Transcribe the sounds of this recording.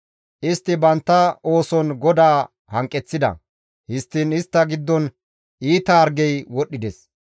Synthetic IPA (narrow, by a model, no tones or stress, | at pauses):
ʔɪst̪ːɪbɐnt̪ːɐo̞ːsɔnɡɔd̪aː | hɐŋkʼːɛt͡sːɪd̪ɐ̰ | hɪst̪ːɪnɪst̪ːɐɡɪd̪ːɔn | ʔiːt̪ɐːɾɡɛjwɔɗːɪd̪ɛs